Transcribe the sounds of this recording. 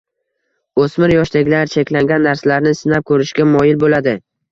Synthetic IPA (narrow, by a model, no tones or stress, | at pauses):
ɵsmɪɾjɒʃd̪aɡʲlaɾt͡ʃʰekʲlaŋɡʲanːaɾsalaɾnɪsɪnap̚kʰɵɾɪʃɡʲamɒjɪlbolad̪ɪ